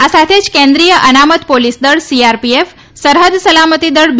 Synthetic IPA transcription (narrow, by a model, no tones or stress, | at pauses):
asat̪ʰed͡ʒkẽnd̪ɾijəʔənamət̪polisd̪əɭsiaɾpief | səɾɦəd̪səlamət̪id̪əɭb